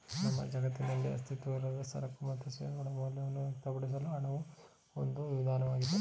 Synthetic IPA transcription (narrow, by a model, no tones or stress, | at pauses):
nɐmːɐ̰d͡ʒɐɡɐt̪ːinɐlːiɐ̰st̪ʰit̪ʋɐiɾɐd̪ɐsɐ̰ɾɐkːumɐt̪ʰːesḛɡuɽɐmɐːlːiɐʋɐnːuʋekt̪ɐpɐɽis̬ɐluɐnɐʋu | ond̪uʋiʋid̪ʱaːnɐʋaːɡid̪e